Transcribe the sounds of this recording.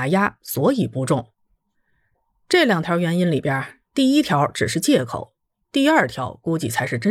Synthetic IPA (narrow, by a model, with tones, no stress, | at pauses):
ja˥swɔ˧˥i˨˩pu˧˥ʈ͡ʂʊ˥˩ŋ | ʈ͡ʂɤ˥˩ljɑ˨˩ŋt̪ʰjɑ˧˥ɥɛ˧˥ni˥nli˨˩pjɐ˥ | t̪i˥˩i˥t̪ʰjɑ˧˥ʊʈ͡ʂɻ̩˨˩ʂɻ̩˥˧t͡ɕjɛ˥˩kʰo̰˨˩˦ʊ | t̪i˥˧ɐ˞˥˩t̪ʰjɑ˧˥ʊku˥t͡ɕi˥˩t͡sʰa˧˥ɪʂɻ̩˥˧˩ʈ͡ʂə˥